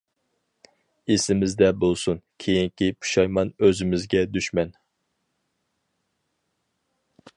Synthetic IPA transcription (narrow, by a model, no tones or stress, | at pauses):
esɪmɪzd̪ɛbolˠsunkʲʰejiŋkʲipʰu̥ʃɑjmɑnøzɪmɪzɡʲɛd̪yʃmɛn